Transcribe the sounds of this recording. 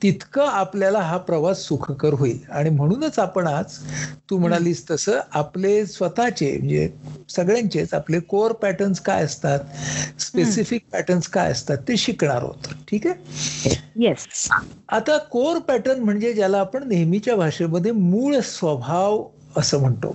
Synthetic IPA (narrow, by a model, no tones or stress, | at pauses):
t̪it̪kəapljalaɦapɾəʋasːukʰkəɾɦoiːlaɽ̃im̤əɽ̃uːnət͡sapəɳat͡st̪uːm̤əɽ̃aliːst̪əsəːaplesʋət̪at͡ɕḛm̤ə̰ɳd͡zḛsəɡɭjãɲt͡ɕet͡sa̰plekoɾpæʈənska̰jəst̪at̪spesifik̚pæ̰ʈənskajə̰st̪at̪ːeɕikɳ̃a̰ɾɦo̰t̪o̥ʈʰiːke | jesat̪akoɾpæʈənm̤əɳd͡zed͡ʑjalaːpəɳneɦmit͡ɕjabʱaʂeməd̪ʱːjemuːɭsʋəbʱaʋ | əsəːm̤əɳt̪o̰